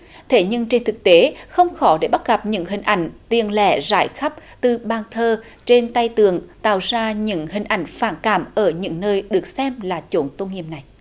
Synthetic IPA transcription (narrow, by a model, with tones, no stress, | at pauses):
t̪ʰe˧˩ɲɨ˧ŋt͡ɕe˧nt̪ʰɨ˨˩k̚t̪e˨˦xə˧wŋ͡mxɔ˨˦ɗe˧˩ɓa˦˥t̚ɣa˨˩p̚ɲɨ̰˧˥ŋɦï˨˩ŋ̟ʔa˧˩jŋ̟t̪i˨˩ənlɛ̰˧˩za̰ː˧˩jxa˦˥p̚t̪ɨ˨˩ɓaː˧˩nt̪ʰəː˧ | t͡ɕe˧nt̪a˧jt̪ɨ˧˩˨əŋt̪a̰ː˧˨wzaː˧ɲɨ̰˧˥ŋhï˨˩ŋ̟ʔa˧˩jŋ̟faː˧˩nkaː˧˩mʔəː˧˩ɲɨ̰˧˥ŋnəː˧jɗɨ˨˩ək̚sɛ˧mlaː˨˩t͡ɕo˨˦nt̪o˧nŋḭ˧˨əm̚na˨˩j